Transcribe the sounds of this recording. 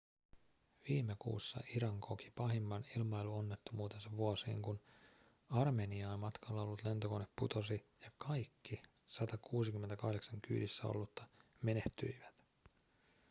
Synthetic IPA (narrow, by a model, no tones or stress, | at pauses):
ʋiːmekṵːsːɑ̰ʔiɾɑŋkʰoki̥pɑɦimːɑnilmɑjluonːe̞t̪ːomuːt̪ensɑʋuosḭːŋkun | ɑrme̞niɑːnmɑt̪kʰɑlːɑo̞lːut̪le̞nt̪o̞ko̞nepput̪o̞sijɑkɑjkːi | sɑt̪ɑkuːsikyme̞nt̪ækɑhde̞ksɑŋky̰ːdisːæo̰lːut̪ːɑme̞ne̞ht̪y̰iʋæt̪